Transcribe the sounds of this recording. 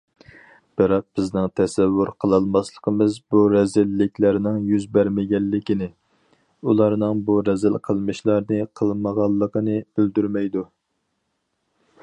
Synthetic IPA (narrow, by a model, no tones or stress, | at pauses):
b̥ɨɾɑq̚b̥ɪznɪŋt̪ʰɛsɛvːuɾqʰəlˠɑlˠmɑslˠəqʰəmɨzbuɾɛzɪlːɪkʲlæɾnɪŋjyzbæɾmɪɡʲɛlːɪkʲinɪ | ulˠɑɾnɨŋbuɾɛzɪlqʰəlˠmɨʃlˠɑɾnɨqʰəlˠməʁɑlˠːəqənɨøld̪yɾmɛjd̪u